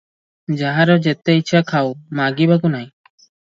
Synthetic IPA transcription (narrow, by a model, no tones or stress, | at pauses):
d͡ʒaɦaɾɔd͡ʒɛt̪ɛit͡ʃʰakʰawmaɡibakunaj̃